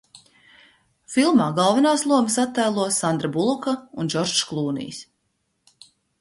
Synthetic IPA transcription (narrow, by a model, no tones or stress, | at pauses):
filˠmaːɡɑlˠvɛnaːslˠuɔmsat̪ːajlˠuɔsand̪ɾabulˠukaund͡ʒɔɾʃklˠuːnḭjs